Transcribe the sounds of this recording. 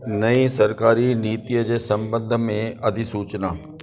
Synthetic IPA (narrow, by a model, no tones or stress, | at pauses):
nɐisɐɾkaːɾiniːt̪ijəd͡ʒesɐ̃mbə̃nd̪ʱmẽɐd̪ʱisuːt͡ʃnaː